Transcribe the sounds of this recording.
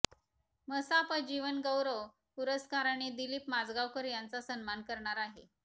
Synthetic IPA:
məsapəd͡ʑiʋənɡəwɾəʋ | puɾəskaɾaɳ̃ed̪ilipmad͡zɡawkəɾjant͡sasənmankəɾɳaɾaɦe

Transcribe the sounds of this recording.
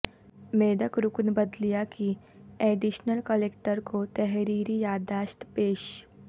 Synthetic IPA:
meːd̪əkɾʊknbəd̪lijakʰi | eːɖiʃnəlkəleːkʈəɾkʰot̪ɛɦɾiːɾijaːd̪aːʃt̪peːʃ

